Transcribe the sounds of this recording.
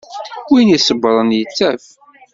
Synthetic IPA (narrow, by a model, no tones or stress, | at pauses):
winisəbːɾˤənjət͡sːæf